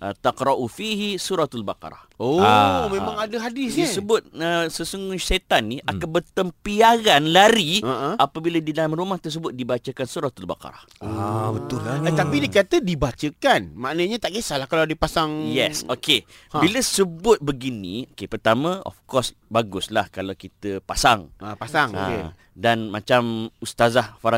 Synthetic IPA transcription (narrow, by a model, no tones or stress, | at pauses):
ʔə̰t̪aqɾɑʔufiɦisuɾat̪alba̰qɑ̰ɾˤɑ̰hoamẽmãŋadaɦadɪsisəbʊt̪̚əsəsuŋuʃet̪anːiʔakanbət̪əmpiaɡanlaɾiaʔapabiladidalamɾumaht̪ərs̬əbʊt̪̚dibat͡ʃəkansuɾat̪alba̰kɑ̰ɾɑ̰habət̪ʊlat̪apidikat̪ədibat͡ʃəkanmaʔnəɲat̪aʔɡəsalahkaladipasaŋjɛsoke | biləsəbʊt̪̚bəɡinḭ̃okepərt̪amə̃ɔ̰fkɔsbaɡʊslahkalawkit̪əpasaŋpasaŋə̰e | danmat͡ʃamust̪azahfaɾa